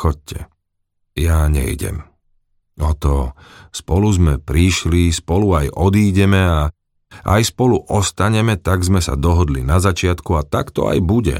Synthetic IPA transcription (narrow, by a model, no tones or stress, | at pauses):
xɔc̚cʰɛ | jaɲɛ̰jɟɛ̰m | ɔt̪ɔspɔluzmɛpɾiʃlispɔluajʔɔd̪iːɟɛmɛa | ʔa̰jspɔluʔɔst̪aɲɛmɛt̪aɡzmɛsa̰d̪ɔɦɔd̪linazat͡ʃɪat̪kuat̪akt̪ɔ̰a̰jbuɟɛ̰